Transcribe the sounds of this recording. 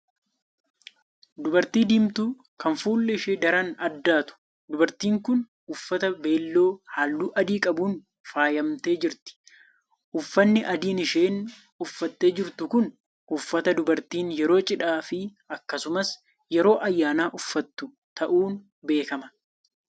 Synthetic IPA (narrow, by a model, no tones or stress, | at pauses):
d̪ʊbɐɾt̪iːd̪iːmt̪u | kɐnfuːlːɛɪʃed̪ɐɾɐnɐd̪ːaːt̪ʊ̥ | d̪ʊbɐɾt̪iːŋkʊn | ʊfːɐt̪ɐbe̞ːlːo̞ːhaːlːuːʔɐd̪iːkʼɐbuːn | faːjɐmt̪e̞ːd͡ʒɪɾt̪ɪ̥ | ʔʊfːɐnːɪʔɐd̪iːnɪʃe̞ːn | ʊfːɐt̪ːe̞ːd͡ʒɪɾt̪ʊkʊn | ʊfːɐt̪ɐd̪ʊbɐɾt̪iːnjɛɾo̞ːt͡ʃʼɪᶑaːfɪ | ɐkːɐsʊmɐs | jɛɾo̞ːʔɐjːaːnaːʔʊfːɐt̪ːʊ | t̪ɐʔuːn | be̞ːkɐmɐ